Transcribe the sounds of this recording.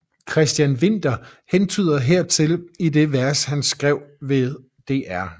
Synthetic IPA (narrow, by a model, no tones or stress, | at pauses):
kʰʁɛsd̥jænʋe̝n̰d̥ɐhent͡sʰy̰ːð̰ˠɐɦeɐ̰t͡sʰe̝lid̥e̝ʋæɐshænsɡ̥ʁɛʊ̰ʋe̝ðˠ | d̥e̝̰ːʔæɐ̰